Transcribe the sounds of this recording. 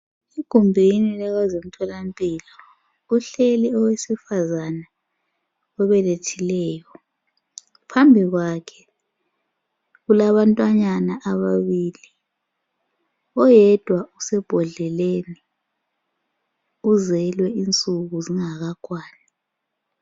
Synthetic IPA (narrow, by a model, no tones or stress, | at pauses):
iɡ̥ʱumbʱinilaɣwazem̩tʰɔlampʼiːlɔ | uɬeliɔwesifazana | ɔβɛletʰilɛːjɔ | pʰambʱiɣwakʰɛ̥ | ɣulaβantʼwaɲanaʔaβaβiːli | ɔjɛd̥ʱwausɛb̥ʱɔɮɛleni | uzɛlwɛint͡sʼuɣuziŋaɣakʰwaːna